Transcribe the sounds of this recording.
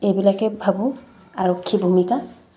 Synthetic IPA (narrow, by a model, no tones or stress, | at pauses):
ejbilakɛbʱabu | aɹokʰːibʱumika